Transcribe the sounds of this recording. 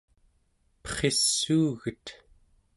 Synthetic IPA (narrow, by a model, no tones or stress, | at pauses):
pʌ̥χe̞sːuːɣət̪